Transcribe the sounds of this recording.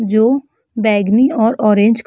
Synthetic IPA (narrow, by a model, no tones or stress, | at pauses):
d͡ʒoː | bɛːɡniɔːɾɔːɾẽːɲd͡ʒk